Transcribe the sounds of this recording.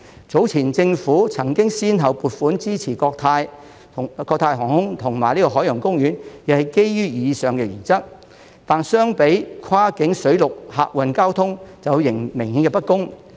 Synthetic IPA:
t͡so˨˥wt͡sʰiː˨˩nt͡sɪ˧ŋfuː˨˥t͡sʰɐ˨˩ŋkɪ˥ŋsiː˥nɦɐ˨wpuː˨t̚fuː˨˥nt͡siː˥t͡sʰiː˨˩kɔː˧k̚t̪ʰaː˧j | kɔː˧k̚t̪ʰaː˧jɦɔː˨˩ŋhʊ˥ŋt̪ʰʊ˨˩ŋmaː˨˩jli˥kɔ˧ɦɔː˨˥jɐ˨˩ŋkʊ˥ŋjyː˨˥njɐ˨˩hɐ˨jke˥jɥyː˥jiː˨˧sœː˨ŋkɛ˧ɥyː˨˩nt͡sɐ˥t̚ | t̪aː˨nsœː˥ŋpe˨˥jkʰaː˥kɪ˨˥ŋsɵ˨˥ɥlʊ˨k̚ha̰ː˧˨k̚wɐ˨nkaː˥wt̪ʰʊ˥ŋt͡sɐ˨wjɪ˨˩ŋmɪ˨˩ŋhiː˨˥nkɛ˧pɐ˥t̚kʊ˥ŋ

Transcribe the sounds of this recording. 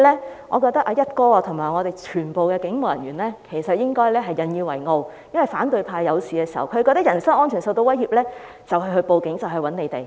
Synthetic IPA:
lɛː˥ŋʔɔː˨˧kɔː˧k̚t̪ɐ˥k̚ʔaː˧jɐ˥t̚kɔː˧a˧t̪ʰʊ˨˩ŋmaː˨˩jŋɔ˨˧e˨˩jt͡ʃʰyː˨˩npo˨wkɛː˧kɪ˨˥ŋmo˨˩wjɐ˨˩nɥyː˨˩nlɛː˥kʰe˨˩jsɐ˨t̚jɪ˥ŋkɔː˥jlɛː˥ɦɐ˨jːɐ˨njiː˧wɐ˨˩jŋo˧wjɐ˥nwɐ˨˩jfaː˨˥nt̪ɵ˨˧ɥpʰaː˧jɐ˨˧wsiː˨kɛː˧si˨˩hɐ̰˨wkʰːkɔː˧˥t̪ɐ˥kjɐ˨˩nsɐ˥ŋʔɔː˥nt͡ʃʰːnso˧wt̪o˧wɐ˥jhiː˨˩p̚lɛː˥ | t͡sɐ˨wɦɐ˧hɵ˧ɥpo˨wkɪ˨˥ŋt͡sɐ˨wɦɵ˧ɥwɐ˨˥ne˨˧jt̪e˨˩j

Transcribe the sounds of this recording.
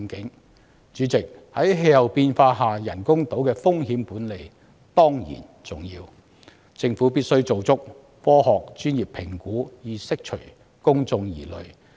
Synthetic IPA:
kɪ˨˥ŋ | t͡ʃyː˨˥t͡sɪ˨k̚hɐ˨˥jɦe˧jhɐ˨wpiː˧nfaː˧ɦaː˨˩jɐ˨˩nkʊ˥ŋt̪o˨˥wkɛː˧fʊ˥ŋɦiː˨˥mpuː˨˥nle˨j | t̪ɔː˥ŋjḭː˨˩n | t͡sʊ˨˩ŋjiː˧w | t͡sɪ˧ŋfu˨˥piː˥t̚sɵ˥ɥt͡so˨wt͡sʊ˥k̚ | fɔː˥ɦɔː˨k̚t͡ʃyː˥njiː˨˩pʰɪ˨˩ŋkuː˨˥jiː˨˩sɪ˥k̚t͡ʃʰɵ˨˩ɥ | kʊ˥ŋt͡sʊ˧ŋjiː˨˩lɵ˨ɥ

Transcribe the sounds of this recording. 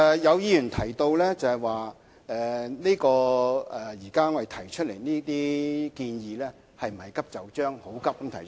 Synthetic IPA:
jɐ˨˧wjiː˨˧jyː˨˩nt̪ʰɐ˨˩jt̪o˧wlɛː˥t͡sɐ˨hɐ˨jwaː˨˩ | ɛː˨niː˥kɔː˧ɛ˨jiː˨˩kaː˥ŋɔ˨˧d̪e˨jt̪ʰɐ˨˩jt͡ʃʰɵ˥le˨˩jniː˥t̪iː˥kiː˧njiː˨˧lɛː˥ | hɐ˨jm̩˨˩hɐ˨jkɐ˥p̚t͡sɐ˨wt͡ʃœː˥ŋho˨˥wkɐ˥p̚mt̪ʰɐ˨˩˥

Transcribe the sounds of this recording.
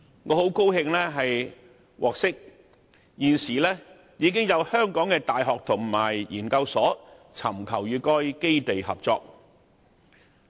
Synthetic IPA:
ŋɔː˨˧ho˨˥wko˥whɪ˧ŋlɛː˥ɦɐ˨j | wʔɔː˨k̚sɪ˥k̚ | jiː˨˧nsiː˨˩lɛː˥ | jiː˨˧˥kɪ˥ŋjɐ˨˧whœː˥ŋkɔː˨˥ŋkɛː˧t̪aː˨jɦɔː˨k̚t̪ʰʊ˨˩ŋmaː˨˩jjiː˨˩nkɐ˧wsɔː˨˥ | t͡sʰɐ̰˨˩mkʰɐ˨˩wjyː˨˧kɔː˥jke˥jt̪e˨jhɐ̰˨p̚t͡sɔː˨k̚

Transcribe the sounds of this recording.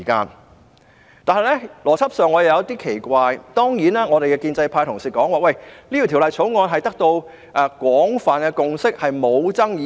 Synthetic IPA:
kaː˧n | t̪aː˨nɐ˨jlɛ˥lɔː˨˩t͡sʰɐ˥p̚sœː˨ŋɔː˨˧je˨wjɐ˨˧˥t̪iː˥kʰe˨˩jkʷaː˧jt̪ɔː˥ŋjiː˨˥naː˥ŋɔ˨˧e˨jkɛː˧kiː˧nt͡sɐ˧jpʰaː˧jt̪ʰʊ˨˩ŋsiː˨kɔː˨˥ŋwaː˨˩wɐ˥˩jli˥iː˨˩t̪ʰi˨˩lɐ˨jt͡sʰo˨˥wŋɔː˧nɦɐ˨jt̪ɐ˥k̚t̪o˧w | ʔɛː˨˧kʷɔː˨˥ŋfaː˨˩nkɛː˧kʊ˨˧ŋsɪ˥k̚hɐ˨jmo˨˧wt͡sɐ˥ŋjiː˨˧

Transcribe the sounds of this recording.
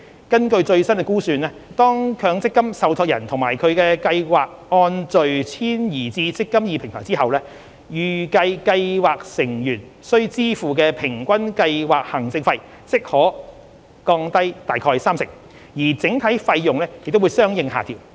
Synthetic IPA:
kɐ˥nkɵ˧ɥt͡ʃɵ˧ɥsɐ˥nkɛ˧kuː˥syː˧nlɛː˥t̪ɔː˥ŋkʰœː˨˧˥ŋt͡sɪ˥kːɐ˥msɐ˨˧wtʰɔː˧k̚jɐ̰˨˩nt̪ʰʊ˨˩ŋmaː˨˩jkʰɵ˨˧ɥkɛː˧kɐ˧jwaː˨k̚ːɔː˧nt͡ʃɵ˨ɥt͡sʰiː˥njiː˨˩t͡siː˧t͡sɪ˥kːɐ˥mjiː˧pʰɪ˨˩ŋt̪ʰɔː˨˩ŋt͡siː˥hɐ˨wlɛː˥ | jyː˨˩kɐ˧jkɐ˧jwaː˨k̚sɪ˨˩ŋjyː˨˩n | sɵ˥ɥt͡siː˥fuː˨˩k̬ɛː˧pʰɪ˨˩ŋkʷɐ˥nkɐ˧jwaː˨˩k̚hɐ˨˩ŋt͡sɪ˧ŋfɐ˧j | t͡sɪ˥k̚hɔː˨˥ | kɔː˧ŋt̪ɐ˥jt̪aː˨˩jkʰɔː˧jsaː˥msɪ˨ŋ̚ | jiː˨˩t͡sɪ˨˥ŋt̪ʰɐ˨˥jfɐ˧jjʊ˨ŋlɛː˥jɪ˨k̚t̪wu˨˧jsœː˥ŋjɪ˨˧ŋɦa̰ː˨t̪ʰiː˨˩w

